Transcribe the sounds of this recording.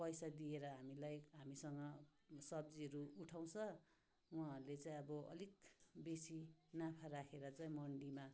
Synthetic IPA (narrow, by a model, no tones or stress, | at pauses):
pʌjsad̪ieɾʌɦamilajɦamisʌŋɡʌsʌb̚d͡ziɦʌɾuuʈʰaw̃t͡sʰʌ | uãʌɾulet͡saĩʌbʌʔʌ̰lik̚besinãpʰaɾakʰeɾʌt͡saj̃mʌɳɖima